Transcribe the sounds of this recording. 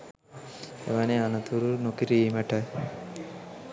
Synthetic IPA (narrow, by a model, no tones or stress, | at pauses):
ḛʋaneanɐt̪uɾunokiɾiːməʈəj